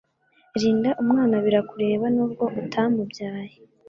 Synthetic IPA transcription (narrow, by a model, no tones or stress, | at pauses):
ɾiːndaʔumŋaːnaβiɾakuɾe̞ːβanuːbɡo̞ʔutʰamubjaːje